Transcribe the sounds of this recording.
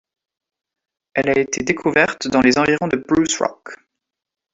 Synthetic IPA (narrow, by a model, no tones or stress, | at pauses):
ɛlaet̪ʰed̪ekʰuvɛʁt̪d̪ɑ̃lezɑ̃viʁɔ̃d̪əbʁusʁɔ̰k